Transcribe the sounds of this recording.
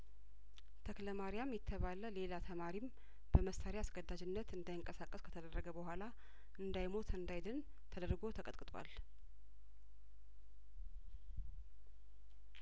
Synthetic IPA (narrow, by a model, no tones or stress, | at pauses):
t̪ʰəkləmaɾijamjɛt̪ʰːəβaləle̞lat̪ʰəmaɾim | bəməsaɾjaasɡəd̪ːad͡ʒɪnːət̪ɨnd̪ajɪŋkʼəsakʼːəskʰə̥t̪ʰəd̪ərːəɡəbəɦʷala | ʔɨnd̪ajmo̞t̪ʰɨnd̪ajd̪ɨn | t̪ʰəd̪əɾɡo̞t̪ʰəkʼət̪kʼɨt̪ʼwa̰l